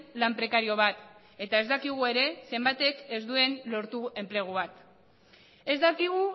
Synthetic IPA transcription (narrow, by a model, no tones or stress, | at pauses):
lampɾe̞kaɾio̞βat̪ | e̞t̪ae̞zd̪akiɣ̞ue̞ɾe̞se̞mbat̪e̞kezd̪ue̞nlo̞ɾt̪ue̞mple̞ɣ̞uβat̪ | e̞zd̪akiɣ̞u